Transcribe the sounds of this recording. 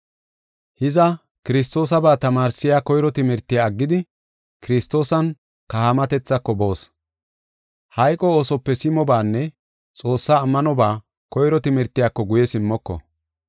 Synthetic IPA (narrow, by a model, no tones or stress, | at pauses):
hɪzɐ | kɪɾɪs̬t̪ːo̞ːs̬ɐbaːt̪ɐmaːɾsːɪjaːkɔjɾɔt̪ɪmɛɾt̪ːɪjaːɡːɪd̪ɪ | kɪɾɪst̪ːo̞ːsɐn | kɐhamɐt̪ɛt͡sːɐkːɔbo̞ːs | hɐjkʼɔoːsɔpːɛsɪmɔbaːnːɛ | t͡sʼo̞ːsːaːmːɐnɔbaː | kɔjɾɔt̪ɪmɛɾt̪ːɪjakːɔɡʊjɛsɪmːɔkːɔ̰